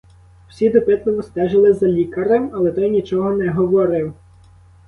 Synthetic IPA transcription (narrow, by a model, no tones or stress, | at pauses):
w̥sʲid̪ɔpɪt̪lˠɔʋɔst̪ɛʒelˠɪzɐlʲikɐɾemɐlˠɛt̪ɔjnʲit͡ʃɔɦɔnɛɦɔʋɔɾɪw